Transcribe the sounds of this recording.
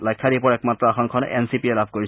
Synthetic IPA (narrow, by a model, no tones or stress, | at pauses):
lajkʰːaɾipɔɹɛkmatɹɔaxʰɔnkʰɔnʔɛ̰nsipiɛlabʱkoɹi